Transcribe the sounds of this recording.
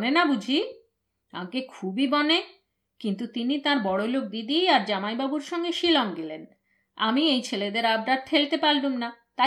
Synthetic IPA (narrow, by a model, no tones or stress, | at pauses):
nenabud͡ʑʱi | a̰makekʰubibɔne | kint̪ut̪init̪aɾbɔɽolok̚d̪id̪iaɾd͡ʑamajbabuɾʃɔŋɡeʃilɔŋɡelen | a̰miejt͡ɕʰeled̪eɾabɖaɾʈ̪ʰelt̪epaldumnat̪a